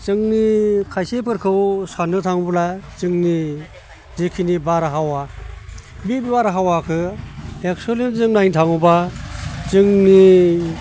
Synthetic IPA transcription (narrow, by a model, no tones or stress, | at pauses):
t͡ʃɯŋnikʰajsepʰɯɾkʰɯwsanɯtʰaŋblat͡ʃɯŋni | zekʰinibaɾaɦawa | bibibaɾaɦawakʰɯek̚solinzɯŋnajntʰaŋuba | t͡ʃɯŋni